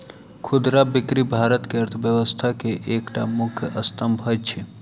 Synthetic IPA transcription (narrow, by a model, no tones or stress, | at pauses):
kʰʊd̪ɾabɪkɾibʱaɾət̪keəɾt̪ʰʋjəʋəst̪ʰakeʔekʈamʊkʰjəʔəst̪əmbʱɦəjt͡ʃʰe